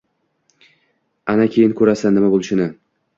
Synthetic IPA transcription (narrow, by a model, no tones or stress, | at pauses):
anakʲʰejɪnkʰɵɾasanːɪmabolˠɪʃɪnɪ